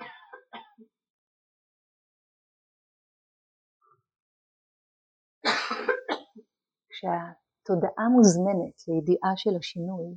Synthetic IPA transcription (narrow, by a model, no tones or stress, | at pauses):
kʃea | t̪o̞daʔamuzme̞netʰlejediʔaʃelhaʃinuj